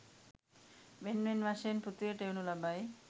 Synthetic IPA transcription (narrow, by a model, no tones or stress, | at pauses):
benmenmaʃenput̪ieʈewnulabaj